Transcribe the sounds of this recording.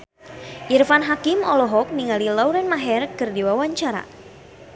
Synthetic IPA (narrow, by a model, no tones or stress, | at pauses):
ʔirfanɦakimɔlɔɦɔk̚niŋalilawɾɛnmaɦɛrkɨrdiwawaɲt͡ʃaɾa̰